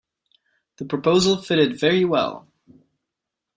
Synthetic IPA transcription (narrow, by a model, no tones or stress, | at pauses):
ðəpʰɹ̥əpʰoʊzl̩ˠfɪɾɨdvɛɹiwɛ̰lˠ